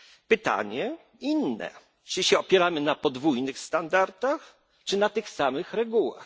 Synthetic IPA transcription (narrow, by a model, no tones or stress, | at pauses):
pɘt̪a̰ɲɛ | inːɛ̰ | t͡ʂɘɕɛɔpʲjɛɾamɘnapɔd̪vujnɘxst̪and̪aɾt̪ax | t͡ʂɘnat̪ɘxsamɘxɾɛɡuwa̰x